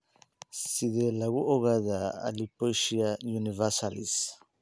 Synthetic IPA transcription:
siðelaɣuʔoɣaða̰ːlipojʃiajunivasalis

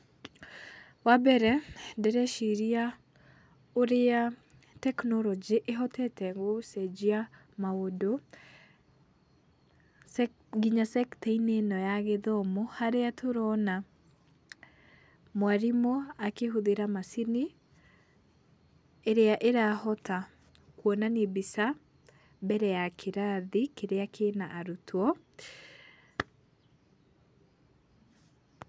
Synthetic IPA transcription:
wabɛɾɛdeɾɛʃiɾia | oɾea | tɛknɔɾɔd͡ʒiʔeɦɔtɛtɛɣosɛd͡ʒia | maodo | sɛ | ɡiɲasɛkteinenɔjaɣeðɔmohaɾeatʰoɾɔna | mwaɾimoakeɦoðeɾamasini | ɾeaʔeɾahɔtʰa | kwɔnanebisa | bɛɾɛjakʰeɾaðikeɾeakʰenaʔaɾutʰwɔ

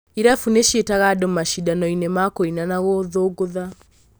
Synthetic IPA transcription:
iɾafuneʃietaɣadɔmaʃidanɔinemakoinanaɣoðoɡoða

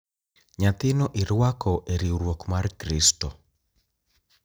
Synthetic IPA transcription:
ɲat̪ɪnɔʔiɾwakɔʔeɾiuɾwɔkmaɾkɾistɔ

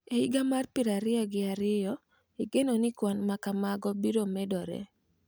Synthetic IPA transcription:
eiɡamarpɪɾaɾɪɔɡɪaɾɪjɔ | iɡenonɪkwanmakamaɡɔbiɾomɛdɔɾɛ̰

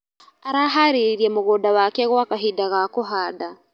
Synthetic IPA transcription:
aɾaɦaɾiɾiamoɣodawakɛɣwakaɦidaɣakoɦada

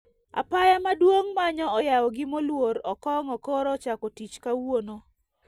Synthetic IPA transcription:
a̰pajamadwoŋmaɲɔɔjawɔɡɪmolwoɾɔkɔŋɔkɔɾɔt͡ʃakɔtit͡ʃkawono

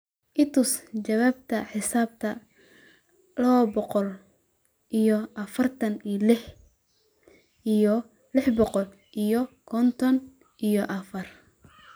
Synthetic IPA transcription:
ʔɪt̪ʰʊst͡ʃɐwaːb̚t̪ʰɐħɪsaːb̚t̪ʰɐ | lɐwɔbɔqɔl | ʔijɔʔɐfɐrt̪ʰɐnilɪħ | ʔijɔ | lɪħbɔqɔl | ʔijɔkʰɔnt̪ʰɔn | ʔijɔʔɐfɐr

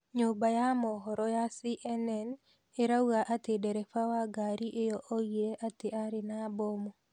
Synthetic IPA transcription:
ɲobajamɔɦɔɾɔjasiʔɛnɛn | eɾauɣaʔatedɛɾɛfawaɡaɾiʔejɔʔoɣieʔateʔaɾɪnabɔmo

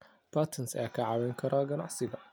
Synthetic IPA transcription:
b̥at̪ʰɐnsɛːkʰɐʕɑwɛːŋkʰɐɾaɡɐna̰ʕsɪɡɐ

